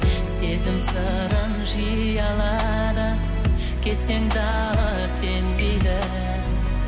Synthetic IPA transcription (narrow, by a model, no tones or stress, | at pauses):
se̞zɪmsə | ɾənʒi | jɑlˠɑ | d̪ə | kʲʰe̞t̪se̞ŋd̪ɑ | lˠə | se̞nb̪ejd̪ɪ